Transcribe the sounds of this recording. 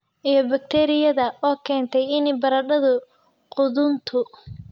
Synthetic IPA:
ʔijɔbɐk̚t̪ʰɛːɾɪjɐðɐɔːkʰɛːnt̪ʰɛjɪnɪbɐɾɐɖɐðʊ | qʊðʊnt̪ʰʊ

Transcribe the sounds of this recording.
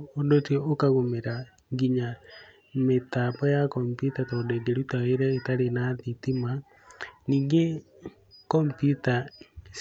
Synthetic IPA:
ondotiɔokaɣomeɾa | ŋɡiɲa | metapɔjakɔmpjutatɔdeɡeɾutaeɾɛetaɾenaðitima | niːŋɡe | kɔmpjuta

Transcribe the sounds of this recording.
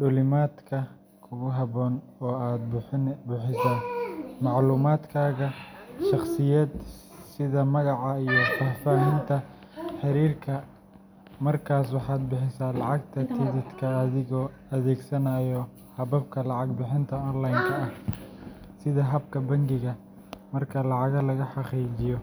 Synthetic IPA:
ɖʊlɪmaːd̪kʰɐ | kʰʊɣʊɦɐβɔːnɔːaːd̪bʊħɪsaːmɑʕluːmaːd̪kʰaːɣɐʃɑχsɪjɐːd̪ | sɪðɐmɐɣɑʕɑijɔfaːfaːɦɪnt̪ʰɐ | ħɪɾiːrkʰɐ | mɐrkʰaːswɑħɑːd̪̚bɪħɪsaːlɑʕɑɡt̪ʰɐt̪ʰɪðɪt̪kʰɐːðɪɣɔː | ɐðɛːɡsɐnɐjɔ | hɐβɐb̚kʰɐlɑʕɑɡbɪħɪnt̪ʰɐɔːnlajŋkʰɐɐh | sɪðɐɦɐb̚kʰɐbɐŋɡɪɣɐ | mɐrkʰɐlɑʕɑɣɐlɐɣɐħɑqiːt͡ʃɪjɔ

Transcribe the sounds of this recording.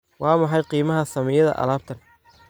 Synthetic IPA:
wɑːmɑħɑjqiːmɐɦɐsɐmɛjɐðɐ̰ʔɐ̰laːb̚t̪ʰɐn

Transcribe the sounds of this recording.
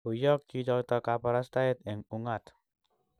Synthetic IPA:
ujɔk̚t͡ʃit͡ʃɔt̪ɔkapaɾast̪aɪt̪̚ɪŋuŋat̪

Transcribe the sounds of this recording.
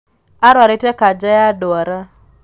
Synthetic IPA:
aɾwaɾɪtɛkad͡ʒajadaɾa

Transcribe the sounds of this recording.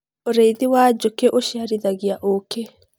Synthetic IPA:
oɾeiðiwaːd͡ʒokeʔoʃiaɾiðaɣiaʔoke

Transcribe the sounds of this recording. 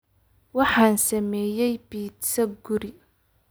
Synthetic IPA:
wɑħɑːnsɐmɛːjɛjbiːt̪sɐɡʊɾɪ

